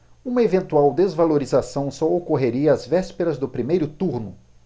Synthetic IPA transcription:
ũmɐevẽnt̪uawd̪ezvaloɾizasɐ̃w̃sɔokoɦeɾiɐːzvɛspeɾɐzd̪ʊpɾimejɾʊt̪uɾnʊ

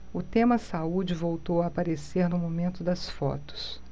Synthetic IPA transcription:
ʊt̪ẽmɐsaud͡ʒɪvowt̪owɐːpaɾeseɾnʊmomẽnt̪ʊd̪ɐsfɔ̰t̪ʊ̥s

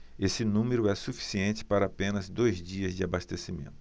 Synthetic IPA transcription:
esɪnũmeɾʊɛsufi̥siẽnt͡ʃɪ̥paɾɐːpẽnɐzd̪ojzd͡ʒiɐzd͡ʒɪabast̪esimḛ̃nt̪ʊ̥

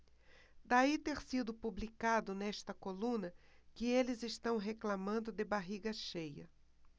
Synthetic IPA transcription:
d̪ait̪eɾsid̪ʊpublikad̪ʊnɛʃt̪ɐkolũnɐ | kɪelɪzɪst̪ɐ̃w̃ɦeklamɐ̃nd̪ʊd̪ɪbaɦiɡɐʃejɐ̰

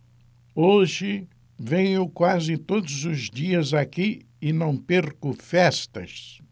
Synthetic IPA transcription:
oʒɪ | vẽɲʊkwazɪt̪od̪ʊzʊzd͡ʒiɐzaki | ɪnɐ̃w̃peɾkʊfɛst̪ɐ̰s

